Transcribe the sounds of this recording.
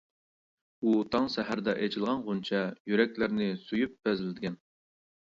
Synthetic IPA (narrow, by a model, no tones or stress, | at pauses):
ut̪ʰɑŋsɛɦæɾd̪ɛʔɛt͡ʃʰilˠʁɑnʁunt͡ʃʰɛjyɾɛkʲlɪɾnɪsujyp̚bɛzlɪd̪ɪɡʲɛn